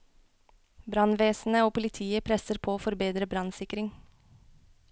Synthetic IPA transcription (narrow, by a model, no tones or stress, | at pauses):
bɾɑnʋeːsn̩əoːpʊlɪt̪ʰiːəpʰɾɛsəɾpʰoːoːfɔɾbeːd̪ɾəbɾɑnsɪkɾɪŋ